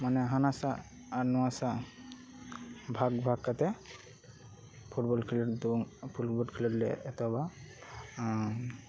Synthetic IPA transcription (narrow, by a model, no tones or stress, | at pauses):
manɛɦanasaː | ɾnɔwasa | bʱaɡbʱaɡkːat̪ɛ | pʰuʈbɔlkʰilɔd̪upʰulbɔkʰilɔɾlɛ̰ɛt̪ɔba